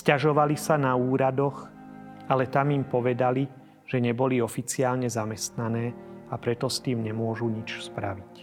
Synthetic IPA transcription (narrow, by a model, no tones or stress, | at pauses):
scaʒɔʋalisanauːɾad̪ɔx | alɛt̪amimpɔʋɛd̪ali | ʒ̥ɛɲɛbɔliɔfit͡siaːlɲɛzamɛst̪nanɛːapɾɛt̪ɔst̪iːmɲɛmʊɔʒuɲit͡ʃspɾa̰ʋic